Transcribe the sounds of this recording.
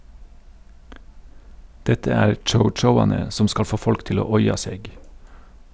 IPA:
ˈdɛtə ˈæːɾ ˌt͡ʃəʊˈt͡ʃəʊɑnə ˈsɔm ˈskɑl ˈfoː ˈfɔlk ˈtɪl ˈoː ˈɔʏɑ ˈseːɡ

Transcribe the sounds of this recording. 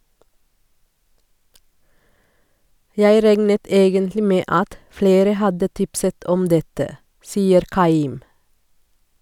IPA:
ˈjæɪ ˈɾæŋnət ˈeːɡəntlɪ ˈmeː ˈɑt ˈfleːɾə ˈhɑdə ˈtɪpsət ˈʔɔm ˈdɛtə ˈsiːəɾ ˈʔkɑˌiːm

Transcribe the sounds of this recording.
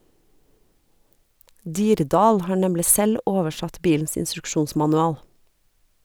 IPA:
ˈdiːɾˌdɑːl ˈhɑː ˈɳɛmlɪ ˈsɛl ˈoːʋəˌʃɑt ˈbiːln̩s ɪnstɾʉkˈʃuːnsmɑnʉˌɑːl

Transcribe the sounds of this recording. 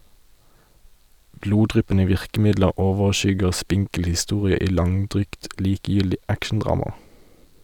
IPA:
ˈbluːˌdʁʏpənə ˈʋɪʁkm̩ˌɪdləʁ ˈoːʋəʁˌʃʏɡəʁ ˈspɪŋkl̩ hɪˈstuːʁɪə ˈiː ˈlɑŋˌdʁyːɡt ˈliːkəˌjʏldɪ ˈækʃɳ̩ˌdʁɑːmɑ

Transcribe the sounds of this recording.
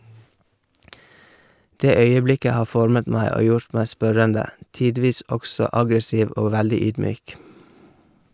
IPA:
ˈdeː ˈœʏəˌblɪkə ˈhɑː ˈfɔɾmət ˈmæɪ ˈoː ˈjʊɾt ˈmæɪ ˈspœɾəndə ˈtiːˌdʋiːs ˈɔɡsɔ ˈɑɡɾəˌsiːʋ ˈoː ˈʋældɪ ˈyːdˌmyːk

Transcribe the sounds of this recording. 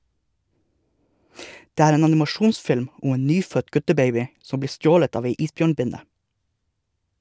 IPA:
ˈdeː ˈæːɾ ˈeːn ɑnɪmɑˈʃuːnsfɪlm ˈʊm ˈeːn ˈnyːfœt ˈɡʉtəˌbeɪbɪ ˈsɔm ˈbliː ˈstjoːlət ˈɑːʋ ˈæɪ ˈiːsˌbjøːɳˌbɪnə

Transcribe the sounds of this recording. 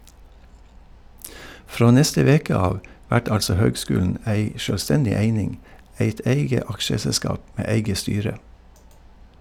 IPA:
ˈfɾoː ˈnɛstə ˈʋeːkə ˈɑːʋ ˈʋæʈ ˈɑlsɔ ˈhøːɡˌskʉːln̩ ˈæɪ ʃœlˈstɛndɪ ˈeɪnɪŋ ˈæɪt ˈʔæɪɡə ˈɑkʃəsɛˌskɑːp ˈmeː ˈæɪɡə ˈstyːɾə

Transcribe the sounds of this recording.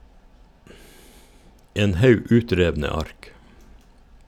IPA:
ˈeːn ˈhɑʉ ˈʉːˌtɾeːʋnə ˈɑɾk

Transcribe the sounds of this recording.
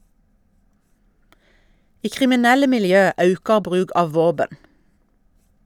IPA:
ˈiː kʁɪmɪˈnɛlə mɪlˈjøː ˈɑʉkɑ ˈbʁʉːɡ ˈɑːʋ ˈʋoːbən

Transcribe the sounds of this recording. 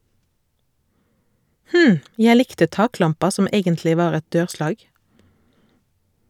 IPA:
ˈhm̩ ˈjæ ˈlɪktə ˈtɑːˌklɑmpɑ ˈsɔm ˈeːɡəntlɪ ˈʋɑːʁ ˈɛt ˈdøːʁˌslɑːɡ

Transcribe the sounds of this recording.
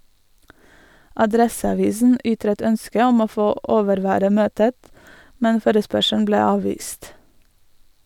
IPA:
ʔɑˈdɾɛsɑˌʋiːsn̩ ˈʔʏtɾət ˈœnskə ˈɔm ˈoː ˈfoː ˈʔoːʋəɾˌʋæːɾə ˈmøːtət ˈmɛn ˈfoːɾəspœʃæɳ̩ ˈbleː ˈɑːʋʋiːst

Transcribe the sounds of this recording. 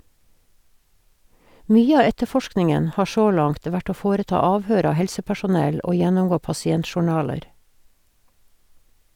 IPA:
ˈmyːə ˈɑː ˈɛtəˌfɔʃknɪŋən ˈhɑː ˈʃoː ˈlɑŋt ˈʋæʈ ˈoː ˈfoːɾəˌtɑː ˈɑːʋhøːɾ ˈɑː ˈhɛlsəpæʃʊˌnɛl ˈoː ˈjɛnɔmˌɡoː pɑsɪˈɛntʃʊˌɳɑːləɾ

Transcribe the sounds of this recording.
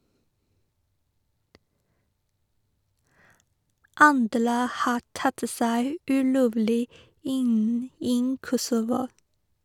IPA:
ˈɑndɾə ˈhɑː ˈʈɑt ə ˈsæɪ ʉːˈloːʋlɪ ˈɪn ˈiː ˈkɔsʊʋʊ

